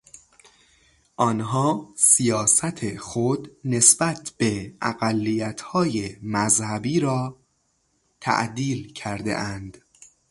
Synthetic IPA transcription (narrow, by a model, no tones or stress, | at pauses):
ʔɒːnɦɒːsijɒːsæt̪ʰexod̪ne̞sb̥æt̪ʰb̥eʔæ̰ɣælːijæt̪ʰhɒːjemæzhæbiːɾɒː | t̪ʰæ̰ʔd̪iːlcʰæɾd̪ḛʔænd̪̥